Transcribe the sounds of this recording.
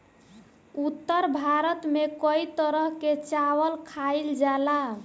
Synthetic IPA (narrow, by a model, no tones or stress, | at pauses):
ut̪ːəɾbʱaɾət̪mekəit̪əɾəɦket͡ʃawəlkʰaɪld͡ʒala